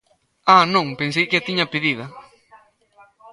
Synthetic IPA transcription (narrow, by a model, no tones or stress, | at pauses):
anõŋpẽns̬ejkɪat̪iɲɐpeðiðɐ